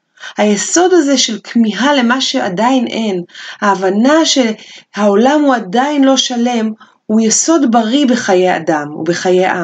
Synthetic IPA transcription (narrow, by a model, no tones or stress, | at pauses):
hajeso̞daze̞ʃe̞lkʰmiɦale̞maʃe̞adainʔe̞nhaːvanaʃe̞hao̞lamhuadainlo̞ʃale̞m | hujeso̞dbaʁibe̞χaje̞ja̰damṵbe̞χajeʔa